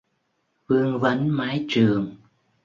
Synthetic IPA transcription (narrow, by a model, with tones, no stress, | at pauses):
vɨ˧əŋvə˨˦nmaː˨˦jt͡ɕɨ˨˩əŋ